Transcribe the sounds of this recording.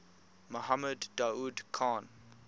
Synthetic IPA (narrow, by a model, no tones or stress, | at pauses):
moɦamədːauːdkʰãːn